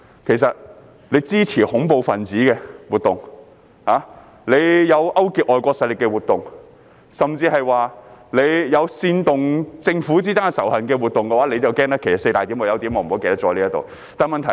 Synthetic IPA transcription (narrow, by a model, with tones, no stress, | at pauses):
kʰe˨˩jsɐ˨t̚ | le˨˧jt͡siː˥t͡sʰiː˨˩hʊ˨˥ŋpo˨˧wfɐ˨˩nt͡siː˨˥kɛː˧wuː˨t̚t̪ʊ˨ŋ | haː˨˥ | le˨˧jjɐ˨˧wʔɐ˥wkiː˨˩k̚ʔɔː˨jkʷɔː˧k̚sɐ˧lɪ˨˩kːɛː˧wuː˨˩t̪ʊ˨ŋ | sɐ˨mt͡siː˧hɐ˨jwaː˨le˨˧jjɐ˨˧wsiː˧nt̪ʊ˨ŋt͡sɪ˧ŋfuː˨˥t͡siː˥t̪aː˥nsɐ˨˩whɐ˨˩nkɛː˧wuː˨t̚t̪ʊ˨ŋkɛ˧waː˨˧˥le˨˧jt͡sɐ˨wkɛː˥ŋt̪ɐ˥kʰːe˨˩jsɐ˨˩se˧jt̪aː˨t̪i˨˥mwɔː˨˧jɐ˨˧wt̪i˨˥mɔ˨˧m̩˨ho˨˥ke˨˧t̪ɐ˥t͡sɔː˨˥liː˥ɐ˥t̪o̰˨w | t̪aː˨nmɐ˨nt̪ʰɐ˨˩